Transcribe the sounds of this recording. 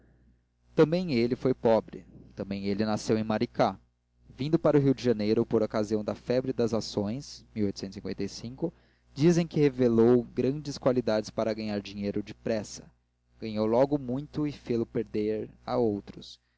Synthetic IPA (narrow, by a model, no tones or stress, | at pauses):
t̪ɐ̃mbẽj̃elɪfojpɔbɾɪ̰t̪ɐ̃mbẽj̃elɪnasewẽj̃maɾika | vĩnd̪ʊpaɾʊɦiwd͡ʒɪʒɐnejɾʊpoɾokaziɐ̃w̃d̪ɐfɛbɾɪd̪ɐzasõj̃smiwojt̪ʊsẽnʊsĩkwḛ̃t̪ejsĩŋkʊ | d͡ʒizẽj̃kɪhevelowɡɾɐ̃d͡ʒɪskwalid̪ad͡ʒɪspaɾɐɡɐɲaɾd͡ʒĩɲejɾʊd͡ʒɪpɾɛsɐ̥ | ɡ̥ɐɲowlɔɡʊmũj̃t̪ʊɪfelʊpeɾd̪eɾa̰owt̪ɾʊs